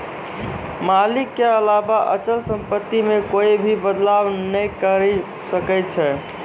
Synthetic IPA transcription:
malikːeəlabaʔət͡ʃəlsəmpət̪ːimekoibʱibəd̪laʋnəjkəɾi | səkəɪt̪̚t͡ʃʰɛ

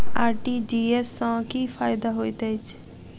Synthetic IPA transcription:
aːɾʈiːd͡ʒiːesːãːkiːfʰaːɪd̪aːɦoːit̪eɪt͡ʃ

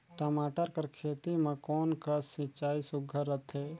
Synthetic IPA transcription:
ʈəmaːʈəɾkəɾkʰeːt̪imãkɔːnkəsɪ̃t͡ʃaːisʊɡʱəɾət̪ʰɦeː

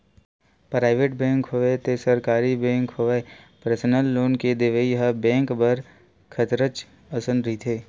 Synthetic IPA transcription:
pɾaːɪʋeːʈ̚bẽːŋkɦoʋet̪esəɾkaːɾibɛ̃ːŋkɦoʋepəɾsənəlːoːnked̪eʋəiɦəbɛ̃ːŋkbəɾ | kʰət̪ɾət͡ʃ | əsənɾit̪ʰeː

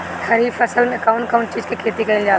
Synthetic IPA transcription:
hʰɐɾiːfɐsəlmẽɐkaʊɳkʰɐunʈt͡ʃiːzkekʰeːt̪ikɐild͡ʒaː

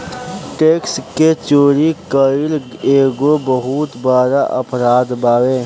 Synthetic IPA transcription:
ʈeːksket͡ʃoːɾikəɪleːɡobəɦut̪baːɾaʔəpɾaːd̪baːweː

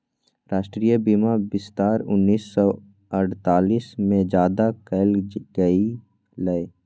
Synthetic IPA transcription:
ɾaːʃʈɾiːjəbimabɪst̪aːɾʊ̰nːiːsːɔ | əɽt̪aːliːsmẽd͡ʒjaːd̪akəlɡəi | ləe

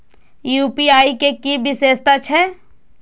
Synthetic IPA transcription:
juːpiaːikekibɪseːst̪at͡ʃʰɛ

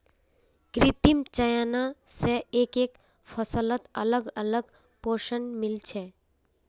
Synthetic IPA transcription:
kɾɪt̪imt͡ʃəjanaseeːkeːk | fʰəsələt̪ə̰ləɡələɡ | poʃənmɪlt͡ʃʰe

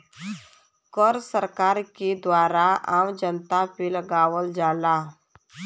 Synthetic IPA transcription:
kɔɾsəɾkaːɾked̪waːɾaaːmd͡ʒənt̪apeləɡaːwəld͡ʒaːlaː

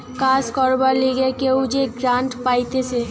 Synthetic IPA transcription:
kaskɔɾbəɾleɡekeud͡ʒeɡɾãɳʈpajt̪ese

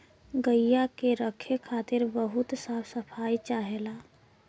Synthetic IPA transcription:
ɡəjjːakeɾəkʰekʰat̪ɪɾbəɦut̪sapʰsəpʰajt͡ʃaɦela

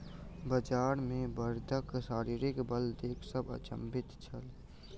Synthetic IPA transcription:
bəd͡ʒaːɾmẽbəɾd̪ʱəksaːɾiːɾɪkbəld̪eːkʰsəbə̰t͡ʃə̰mbɪt̪t͡ʃʰəl

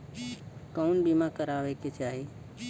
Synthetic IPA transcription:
kəunbimãkəɾaːʋeked͡ʒaːɦi

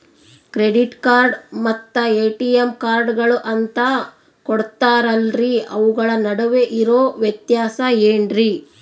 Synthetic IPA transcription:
kɾeɖiʈkaːɾɖmɐt̪ːɐeːʈijemkaːɾɖɡɐɭuʔɐnt̪ɐ | koɽt̪aːɾɐlɾiɐʋuɡɐɭɐnɐɽɐʋe̞ʔiɾoːʋjɐt̪jaːsɐeːɳɾi

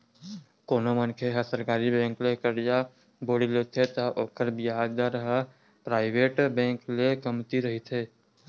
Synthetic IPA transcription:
koːnomənkʰeɦəsəɾkaːɾibɛ̃ːŋklekəɽja | boːɽilet̪ʰet̪əʔoːkəɾbiad̪əɾɦə | pɾaːɪʋeːʈbɛ̃ːŋklekəmt̪iɾəɦit̪ʰeː

